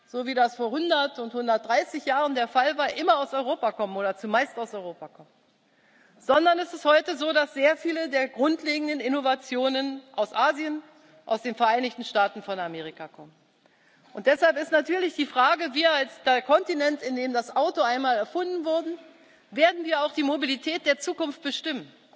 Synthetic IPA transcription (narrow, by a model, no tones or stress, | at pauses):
z̥oːviːdasfoːɐhʊndɐtʊnthʊndɐt̚d̥ʁaɪsɪçjaːʁəndeːɐfalvaːɐʔɪmɐaʊsɔʏʁoːpakʰɔmənoːdɐt͡sumaɪstaʊsɔʏʁoːpakʰɔmən | z̥ɔndɐnɛsɪsthɔʏtəzoːdasz̥eːɐfiːlədeːɐɡʁʊntleːɡŋ̩dənɪnovat͡sjoːnənʔaʊsʔaːzijən | ʔaʊsd̥eːnfɛɐʔaɪnɪçtn̩ʃtaːtn̩fɔnameːʁ̞ikakʰɔmən | ʔʊnt̚d̥ɛshalpɪstnatʰyːɐlɪçd̥iːfʁ̥aːɡəviːɐalsd̥eɐkʰɔntinɛntɪndeːmdasʔaʊtoaɪnmaːlɛɐfʊndn̩vʊɐdn̩ | veːɐdn̩viːɐaʊxd̥iːmobilitʰɛːt̚d̥eːɐt͡suːkʊnft̚b̥əʃtɪmən